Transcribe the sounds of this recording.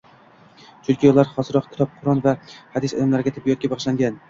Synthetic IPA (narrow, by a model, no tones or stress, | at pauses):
t͡ʃʰʊlˠkʲʰijɒlˠaɾχɒzɨɾɒq̚kʲʰɪ̥t̪ʰɒp̚qʰʊɾɒnvahad̪ɪsɒ̰d̪amlaɾɪɡʲat̪ʰɪbːijɒt̪̚kʲabɑʁʃlaŋɡʲan